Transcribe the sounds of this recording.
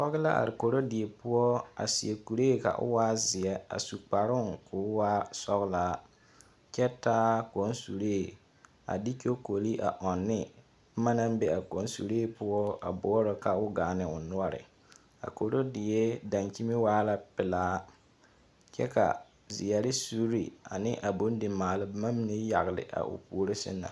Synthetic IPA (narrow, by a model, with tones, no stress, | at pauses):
sɔ˦ɣɪ˦la̰˦ʔa̰˨ɾɪ˨ko˨ɾo˦dɪ˨e˨pʊ˦ɔ˦a̰˨si˨e˨ku˨ɾeː˦ka̰˨ʔʊ̰˦waː˦zɪ˨ɛ˦a̰˨su˨k͡pa˨ɾʊ˦ŋkʰʊː˨˦waː˦sɔ˦ɣɪ˦laː˦ | t͡ʃɛ˦taː˦ko˨˦n˦su˨ɾeː˦˨ | a̰˨di˦ko˦ko˨li˦ʔa̰˨ʔɔ˨nːɪ˦ | ma˦na˦m˦be˦a˨ko˨˦n˦sṵ˨ɾeː˦pʊ˦ɔ˦a̰˨bɔ˦ɔ˦ɾɔ˦ka˦ʊ˦ɡaː˨nɪ˨ʊ˨nʊ˦ɔ˦ɾɪ̰˨ | a̰˨ko˨ɾo˦dɪ˨jɛ˦da˨nki˦mɪ˦waː˦la˦pɪ˨laː˦ | t͡ʃɛ˦ka̰˨ | zɪ˨ja˨ɾɪ˦su˦ɾḭ˨a̰˨nɪ˦ʔa˨bo˦n˦dɪ˨maː˨lɪ˦bma˦mi˦ne˦ja˨ɣlɪ̰˨ʔa̰˨ʔʊ̰˨pu˦ɾɪ˦sɪ̰˦nːa̰˨